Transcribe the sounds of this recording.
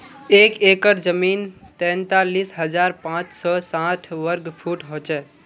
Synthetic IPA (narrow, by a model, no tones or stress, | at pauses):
ekekəɾd͡ʒəmint̪ɛ̃nt̪alisɦəd͡ʒaɾpãt͡ʃsɔsãt̪ʰʋəɾɡpʰuʈɦot͡ʃɛ